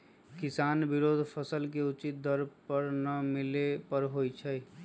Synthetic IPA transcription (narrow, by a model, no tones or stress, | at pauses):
kɪsaːnbɪɾoːd̪ʱpʰəsəlk̬eʊt͡ʃit̪̚d̪əɾpəɾnəmɪlepəɾɦojt͡ʃʰə